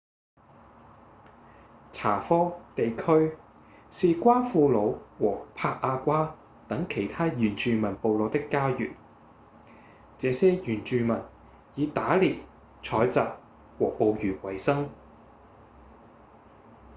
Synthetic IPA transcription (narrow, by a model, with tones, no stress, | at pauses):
t͡sʰa̰ː˨˩fɔː˥t̪e˨jkʰɵ˥ɥ | siː˨˧kʷaː˥fuː˧lo˨˧wwɔː˨˩pʰaː˧k̚ʔaː˧kʷaː˥ | t̪ɐ˨˥ŋkʰe˨˩jt̪ʰaː˥jyː˨˩nt͡ʃyː˨˧mɐ˨˩npo˨wlo˨˧wt̪ɪ˥kːaː˥jyː˨˩n | t͡sɛː˨˧sɛː˥jyː˨˩nt͡ʃyː˧mɐ˨˩n | jiː˨˧t̪aː˨˥liː˨˩p̚ | t͡ʃʰɔː˨˥jt͡saː˨p̚ | wɔː˨˩po˨˧wjyː˨˩wɐ˨˩jsɐ˥ŋ